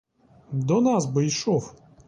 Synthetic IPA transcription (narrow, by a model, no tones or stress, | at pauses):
d̪ɔnasbɨiʃɔf